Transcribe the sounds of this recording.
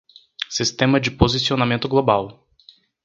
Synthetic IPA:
sist̪ɛmɐd͡ʒipozit̪sionɐmɛ̃nt̪oɡlˠobalˠ

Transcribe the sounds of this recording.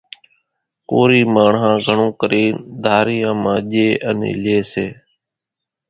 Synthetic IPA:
koːɾiːmaːɳɦãːɡʱəɳõːkəɾeːd̪ʱaːɾɪjãːmãːʄeːʔənḭːleːseː

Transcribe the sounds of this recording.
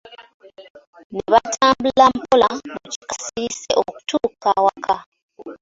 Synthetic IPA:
neβatʰaːmbulampolamuci̥kḁsiɾiseʔoku̥tʰuːkawakʰa

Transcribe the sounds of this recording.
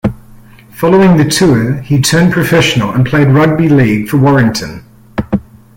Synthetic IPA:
fɑlˠoʊɪ̃ŋðɨtʰʉəitʰɜ̃˞npʰɹ̥ɨfɛʃn̩l̩ˠə̃npʰl̥eɪd̚ɹʌd̚biliɡ̥fə˞wɔɹɪ̃ŋtʰɨ̃n

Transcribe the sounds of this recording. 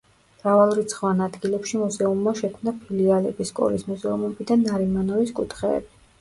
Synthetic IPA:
mɾavalˠɾit̪sʰχvanad̪ɡilɛpʃimuzɛumːaʃɛkʰmnapʰilialɛbiskʼɔ̰ɾismɛzɾɔmubid̪anːaɾimanɔviskʼut̪ʰχɛ̰ːbi

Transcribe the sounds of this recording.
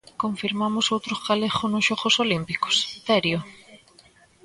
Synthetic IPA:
koɱfiɾmamʊsowt̪ɾʊskaleχonʊsʃɔɣosolimpikʊ̥sθɛɾjo

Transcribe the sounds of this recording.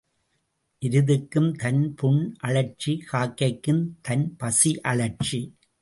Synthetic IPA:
ʔɪɾɯðɯkːɯmt̪ɐnpʊɳʔɐɭɐɾt͡ʃikaːkːɐɪkːɯmt̪ʰɐnpɐsiʔɐɭɐɾt͡ʃi

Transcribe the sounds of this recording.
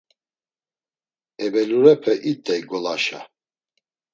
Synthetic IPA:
ɛbɛluɾɛpʰɛʔit̪ʼːɛiɡɔlaʃa̰

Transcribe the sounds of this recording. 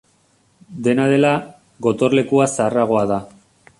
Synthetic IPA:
d̪e̞naðe̞la | ɣo̞t̪o̞ɾle̞kuasaraɣ̞o̞aða

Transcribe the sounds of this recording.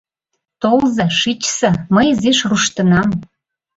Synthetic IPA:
t̪olzɑʃit͡ɕsɤ̆məjziʃruʃt̪ə̆nɑm

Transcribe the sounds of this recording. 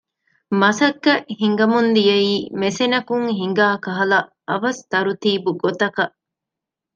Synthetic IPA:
mɐsɐkːɐhiŋɡɐmund̪ijɐiːmesenɐkuŋɦiŋ̆ɡaːkɐɦɐlɐ | ɐʋɐst̪ɐɾut̪iːbuɡot̪ɐkɐʔ

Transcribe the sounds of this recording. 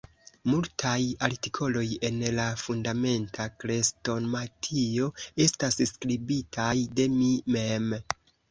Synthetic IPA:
multʰajaɾtikʰo̞lo̞je̞nlafundame̞ntʰakɾe̞sto̞nmatʰio̞e̞stasskɾibitʰajde̞mime̞m

